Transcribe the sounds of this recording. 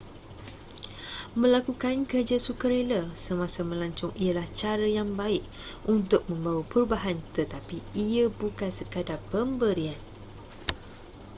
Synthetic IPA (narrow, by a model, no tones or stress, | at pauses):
mə̃lakukankərd͡ʒasukəɾeləsəmãsəmə̃laɲt͡ʃʊŋʔijalaht͡ʃaɾəjaŋbaɪʔ̚ | ʔunt̪ʊk̚mə̃mbawapəɾubaɦant̪ət̪apiiəbukansəkadapəmbəɾian